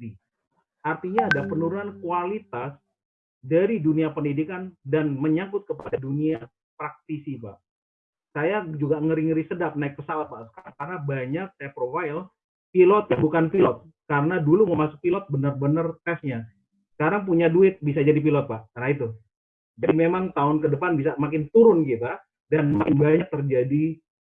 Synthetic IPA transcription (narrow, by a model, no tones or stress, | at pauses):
i | art̪iɲaːdapənuɾunankualit̪as | daɾiduniapəndidikandanməɲakʊt̪̚kəpadadunia | pɾak̚t̪isipa̰ʔ | sajad͡ʒuɡaŋəɾiŋɾisədap̚naɪik̚pəsawat̪̚paʔsə̥kaɾaŋkaɾabaɲak̚sajapɾofail | pilɔt̪̚jabukanpilɔt̪̚ | kaɾənaduluŋəmasʊk̚pilɔt̪̚bənərbənərkɛsɲa | sə̥kaɾaŋp̬uɲaduɪt̪̚bis̬ad͡ʒadip̬ilɔt̪̚paʔkanait̪u | d͡ʒadimemaŋt̪aʊnkədəpanbisamakɪnt̪uɾʊnkit̪a | danmakɪnbaɲak̚t̪ərd͡ʒadi